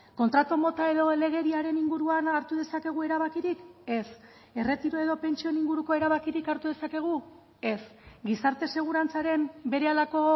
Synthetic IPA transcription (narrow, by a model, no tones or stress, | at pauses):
ko̞nt̪ɾat̪omo̞t̪ae̞ðo̞ele̞ɣ̞e̞ɾiaɾe̞niŋɡuɾuanaɾt̪uð̞e̞sake̞ɣ̞ue̞ɾaβakiɾike̞s | e̞re̞t̪iɾoe̞ðo̞pe̞nt͡ʃio̞niŋɡuɾuko̞e̞ɾaβakiɾikaɾt̪uðe̞sake̞ɣ̞u | e̞sɡisaɾt̪e̞se̞ɣ̞uɾant͡saɾe̞mbe̞ɾe̞alako̞